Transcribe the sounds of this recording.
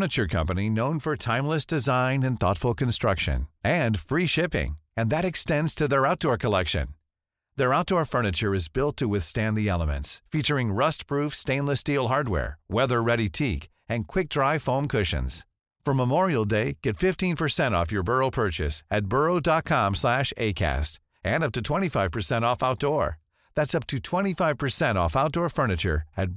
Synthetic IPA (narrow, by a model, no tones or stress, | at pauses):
nɨt͡ʃə˞kʰʌ̰̃mpɨninõʊ̃nfə˞tʰãɪ̃mləsd̥ɨzãɪ̃nɨ̃nθɔ̰tfl̩ˠkɨ̃n̩stɹ̥ʌkʃɨ̰̃nɨ̃nfɹiʃɪpɪ̰̃ŋɨ̃nðɨɾɨkstɛ̃ndz̥tʰɨðə˞aʊt̚d̥ɔɹkʰəlɛkʃɨ̰̃n | ðə˞aʊt̚d̥ɔɹfɜ˞nɨt͡ʃə˞ɨzbɪlˠtʰɨwɪθstæ̃nðiɛlˠəmɨ̰̃ntsfit͡ʃə˞ɪ̃ŋɹʌstpʰɹ̥ufstẽɪ̃nləstilˠɦɑɹd̚wɛ̰ɹwɛðə˞ɹɛɾitʰik | ɨ̃nkʰw̥ɪk̚d̥ɹaɪfõʊ̃mkʰʊʃɨ̰̃nz̥ | fʌ̃˞məmɔɹil̩ˠdeɪɡ̥ɛtfɪftĩnpʰə˞sɛ̃ɾ̃ɔ̰fjə˞bɜ˞oʊpʰɜ˞t͡ʃɨ̰sɨt̚b̥ɜ˞oʊdɑt̚kʰɑ̃mslæʃḛɪkʰæ̰st | ʔɨ̃nʌp̚tɨtʰw̥ɛ̃ɾ̃ifaɪv̥pʰə˞sɛ̃ɾ̃ɔfaʊt̚d̥ɔɹ | ðætsʌp̚tʰɨtʰw̥ɛ̃ɾ̃ifaɪv̥pʰə˞sɛ̃ɾ̃ɔ̰faʊt̚d̥ɔɹfɜ˞nɨt͡ʃə̰˞ɨt̚